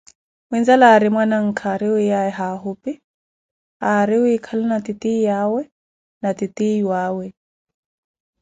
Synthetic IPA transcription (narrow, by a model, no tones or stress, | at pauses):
wind͡zalaɾimwanaŋ̩kʰaːɾiuaɛɦaɦupi | aɾiuikʰalinat̪it̪iːjawɛ | nat̪it̪ʼiwaːwɛ